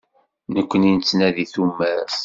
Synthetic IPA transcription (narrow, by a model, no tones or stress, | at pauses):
nəkʷːənint͡sːnæðiθumːæɾs